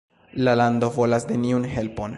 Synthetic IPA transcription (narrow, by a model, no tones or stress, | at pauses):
lalando̞vo̞lasne̞niunɦe̞lpo̞n